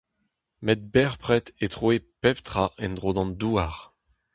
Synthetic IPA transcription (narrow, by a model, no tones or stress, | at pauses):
mɛt̪̚bɛʁpʁɛt̪etχoepɛpt̪χaɛ̃nd̪ʁoːd̪ɑ̃nd̪uːaʁ